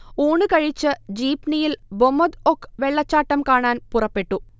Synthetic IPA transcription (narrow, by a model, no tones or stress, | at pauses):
uːɳɨkɐɻit͡ɕːɨd͡ʑiːpnijilbomːɐd̪okːʋeɭːɐt͡ɕːaːʈːɐmkaːɳaːnpurɐpːe̞ʈːu